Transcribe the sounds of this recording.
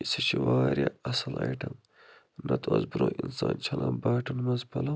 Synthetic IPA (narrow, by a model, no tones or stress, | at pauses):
isɐɕʰiwaːɾjɐɐsɐlɐjʈɐm | nɐt̪ʰoɐzbuɾoːʔinsaːnt͡ʃʰɐlaːbaːʈɐnmɐnzpʰɐlɐ